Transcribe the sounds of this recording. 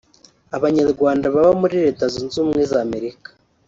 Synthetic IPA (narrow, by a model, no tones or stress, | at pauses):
aβaɲaɾɡwaːndaβaβamuɾiɾe̞ːtazunzuːmŋezaːme̞ɾikḁ